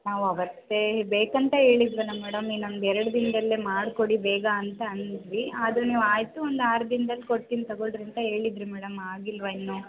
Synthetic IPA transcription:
naːʋuɐʋɐt̪ːe̞beːkɐnt̪ɐɦe̞ːɭid̪ʋɐnɐmɛːɽɐminɐmd̪ɛɾɐɽɐd̪inɐd̪ɐlːemaːɽko̞ɽibɛːɡɐːnt̪ɐːnid̪ʋiaːd̪ɾuniːʋuaːjt̪uond̪aːɾɐd̪ind̪ɐlːiko̞ʈːint̪ɐɡoɭɖɾint̪ɐɦe̞ːɭid̪ɾimɛːɽɐmaːɡilʋɐinːu

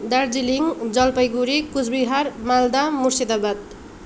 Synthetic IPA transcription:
d̪ard͡ziliŋd͡zʌlpʌjɡuɾikud͡zbiɦarmald̪amursid̪abad̪̚

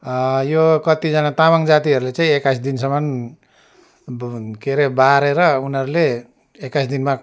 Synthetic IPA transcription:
jokʌt̪id͡zʌnat̪amaŋd͡zat̪iɦʌɾulet͡saĩekasd̪insʌmʌn | keɾebaɾeɾʌunɦʌɾuleː | kajsd̪inma

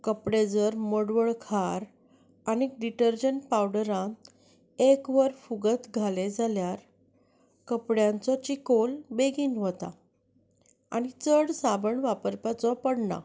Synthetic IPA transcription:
kəpɽed͡zəɾməɽʋəɭkʰaɾ | aniɖiʈəɾd͡ʑəɳʈpawɽəɾã | ekʋəɾfuɡət̪ɡʱaled͡zaljaɾ | kəpɽjãnt͡sɔt͡ɕikolbeɡiːnɦot̪a̰ | a̰ɽ̃it͡səɽsabəɳʋapəɾpat͡sɔpəɽɳa̰

